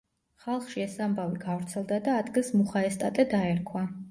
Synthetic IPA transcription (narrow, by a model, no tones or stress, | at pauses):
χalˠχʃiɛsambaviɡavɾt̪sʰɛlˠd̪ad̪aːd̪ɡilˠsmuχaɛst̪ʼat̪ʼɛd̪aɛɾkʰwa